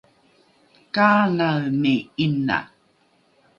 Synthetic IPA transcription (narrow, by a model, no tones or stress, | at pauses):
kaːŋaɻmiinːa̰n